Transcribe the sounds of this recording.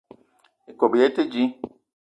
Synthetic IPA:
e˨ko˨bi˨e˦te˦d͡ʒi˦

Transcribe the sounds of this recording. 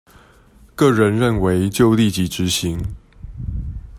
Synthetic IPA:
kɤ˥˩ɻə˧˦nɻə˥˨nwe˧˥ɪt͡ɕjo˥˧ʊli˥˨t͡ɕi˧˥ʈ͡ʂɻ̩˧˦ɕi˧˦ŋ

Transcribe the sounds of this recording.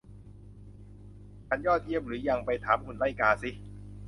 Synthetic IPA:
t͡ɕʰa˧˦˥njɔː˥˩t̪̚ʔi˥˩əm̚ɾɯː˩˦ja˧˩ŋpa˧jt̪ʰaː˩˦mkʰu˧˩nla˥˩jkaː˧si˦˩

